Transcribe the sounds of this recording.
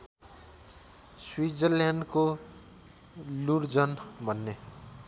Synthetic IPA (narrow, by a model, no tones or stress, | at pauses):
swid͡zəɾlanɖko | luɾd͡zʌnbʱʌnːe